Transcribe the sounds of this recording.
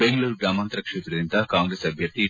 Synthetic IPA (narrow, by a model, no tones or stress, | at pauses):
eŋɡluːɾɡɾaːmaːnt̪ɾɐkʂeːt̪ɾɐd̪int̪ɐkaːŋɡɾeːsɐbʱjɐɾd̪i